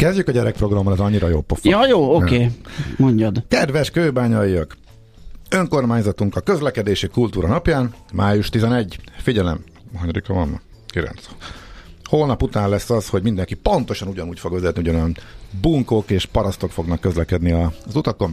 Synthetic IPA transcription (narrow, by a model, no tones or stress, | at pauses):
kɛzɟykɒɟɛɾɛk̚pro̞ɡrɒmːɒlɛzɒɲːiɾɒjoːlpːofjɒjoːokeːmoɲɟɒd̪kɛd̪ʋɛʃkøːbaːɲɒjijɒk | ø̞ŋko̞rmaːɲzɒt̪uŋkɒkø̞zlɛkɛd̪eːʃikult̪uːɾɒnɒpjaːnmaːjuʃt̪izɛnɛɟfiɟɛlɛm | ɦɒɲɾikɒvɒ̰n̰ | kilɛ̰nt̪s | hoːlnɒput̪aːnlɛsːɒsho̞ɟmind̪ɛŋkipo̞nt̪o̞ʃɒnuɟɒnuːcfo̞ɡʋɛzɛt̪niuɟɒnønbuŋko̞keːʃpɒɾɒst̪o̞kfo̞ɡnɒkːø̞zlɛkɛd̪niɒzut̪ɒko̞n